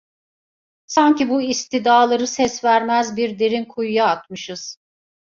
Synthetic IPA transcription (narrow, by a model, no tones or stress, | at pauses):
saɲcibuist̪ʰid̪aːlˠaɾɯsɛsvæɾmæzbiɾd̪eɾinkʰujujaːt̪mɯʃɯz̥